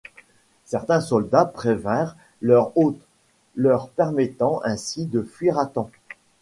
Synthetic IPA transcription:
sɛʁt̪ɛ̃sɔld̪apχevɛ̃ʁ | lœʁot̪ | lœʁpɛʁmɛt̪ɑ̃ʔɛ̃sid̪əfɥiʁat̪ɑ̃

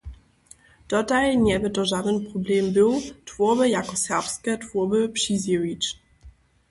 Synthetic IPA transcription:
d̥ɔtajɲɛbɘt̪ɔʐad̪ɛnpɾɔblɛmbɘwtvɔbɘjakɔsɛʁpskɛtvɔbɘpʂizʲjiɾit͡ʂ

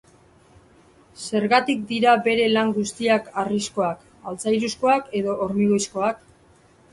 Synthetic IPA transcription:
se̞ɾɣat̪ik̚d̪iɾabe̞ɾe̞laŋɡust̪iakarisko̞ak | alt͡sajɾusko̞ake̞ðo̞ʔoɾmiɣo̞jsko̞ak

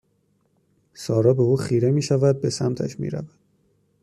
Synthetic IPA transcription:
sɒːɾɒːbe̞uːxiːɾe̞miːʃævæd̪̚be̞sæmt̪ʰæ̰ʃmḭːɾæ̰væd̪̥

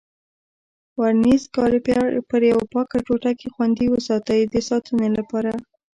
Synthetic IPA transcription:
waɾnizkɑɾepjɑpəɾjawapɑkaʈoʈakexwand̪iwəsɑt̪əjd̪əsɑt̪unolapɑɾa

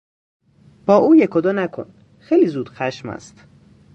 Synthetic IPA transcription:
b̥ɒːʔuːjekʰod̪ɒːnækʰo̰n | xejliːzuːd̪̥xæʃmæ̰st̪

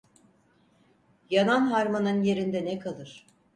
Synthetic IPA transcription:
jananɦaɾmanɯnje̞ɾind̪ɛnɛkʰalˠɯɾ̥

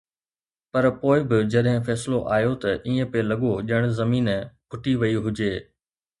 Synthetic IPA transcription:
pɐɾpoːɪbɪd͡ʑɐɗɦɪ̃fɛːsloʔaːjot̪ɐʔiːə̃pelɐɠoʄɐɽ̃zɐmiːnpʰʊʈiʋɐiɦʊd͡ʑeː

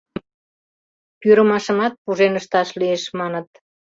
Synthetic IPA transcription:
pyɾə̆mɑʃə̆mɑt̪̚puʒenəʃt̪ɑʃlieʃmɑnə̆t̪̚

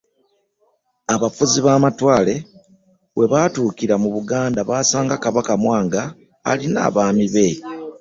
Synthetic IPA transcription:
aβafuziβaːmatwaːle̞ | we̞βaːtuːkiɾamuβuɡaːndaβaːsaːŋɡakaβakamwaːŋɡa̰ː | lina̰ːβaːmiβe̞

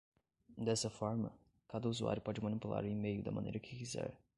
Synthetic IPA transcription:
d̪ɛsɐfɔɾmɐ̰ | kad̪ɐuzua̰ɾjʊpɔd͡ʒɪmɐ̃nipula̰ɾʊimejʊd̪ɐ̰mɐ̰̃nḛjɾɐkʰɪkizɛ̰ɾ

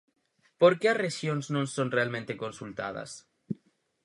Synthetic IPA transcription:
po̞ɾkearexjo̞nsnõnso̞nrealmẽnt̪e̞ko̞nsult̪a̰ð̞a̰s

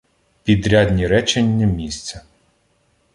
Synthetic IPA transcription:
pʲid̪ɾʲɑdʲnʲiɾɛt͡ʃenʲːɐmʲisʲt͡sʲɐ

